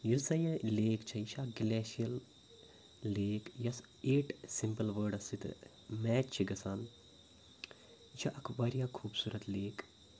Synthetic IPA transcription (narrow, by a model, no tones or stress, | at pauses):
jusɐjɐ̃leːkt͡ʃʰɐit͡ʃʰaɡilɛːʃijɐl | eːkjɐs | eːʈsimpəlʋəːɾɖɐsit̪ | mɛːt͡ʃt͡ʃʰiɡɐsaːn | t͡ʃʰɐʔɐkʰʋɐɾjaːkʰuːbsuːɾɐt̪leːk